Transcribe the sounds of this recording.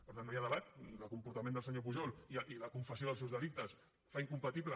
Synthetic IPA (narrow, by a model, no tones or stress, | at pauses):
pəɾt̪anːjaðəβat̪ləlkumpuɾt̪amẽnd̪əlˠsəɲop̬uʒɔliʔiləkuɱfəsjoðlˠsɛwzðəlik̚t̪əs | faiŋkumpət̪iβlə